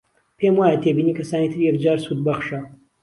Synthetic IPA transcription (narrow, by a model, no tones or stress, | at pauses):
pʰemwaːjat̪ʰebiːnikʰɐsaːniːt̪ʰɨɾjɛkd͡ʒaːɾsuːd̪̚bɐχʃɐ